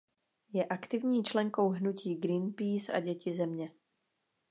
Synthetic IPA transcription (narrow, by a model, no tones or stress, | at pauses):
jɛʔakt̪ɪvɲiːt͡ʃlɛŋko̞wɦnuciːɡɾinpiːsa̰ɟɛcɪzɛmɲɛ